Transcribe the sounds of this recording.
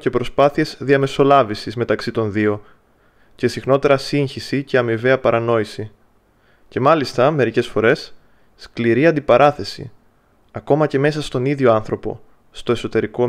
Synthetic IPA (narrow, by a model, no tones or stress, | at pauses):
ce̞pɾo̞spɐθie̞zðiɐme̞so̞lɐvisizme̞t̪ɐksit̪o̞nðio̞ | ce̞sixno̞t̪e̞ɾɐsiɲçisice̞ɐmive̞ɐpɐɾɐno̞isi | ce̞mɐlist̪ɐme̞ɾice̞sfo̞ɾe̞sː | kliɾiɐnd̪ipɐɾʔɐθe̞sḭ | ɐko̞mɐce̞me̞sɐst̪o̞niðʝo̞ɐnθɾo̞po̞̰ | st̪o̞e̞so̞t̪e̞ɾiko̞